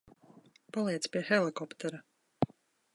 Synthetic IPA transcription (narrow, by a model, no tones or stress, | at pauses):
paliɛt̪spʲiɛxɛlˠikɔpt̪ɛɾa